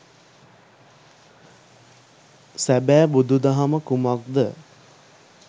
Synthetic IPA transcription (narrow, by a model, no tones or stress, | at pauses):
sæbæːbud̪ud̪aɦaməkumak̚d̪ə